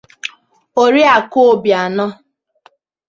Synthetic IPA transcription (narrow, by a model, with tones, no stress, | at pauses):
o˨ɾi˦a˨ko˦o˦bja˨nɔ˦